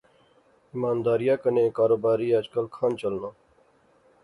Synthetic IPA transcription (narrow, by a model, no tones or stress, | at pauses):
ɪmaːnd̪aːɾɪjãːkənẽːkaːɾoːbaːɾiːəd͡ʒkəlkʰaːnt͡ʃəlnãː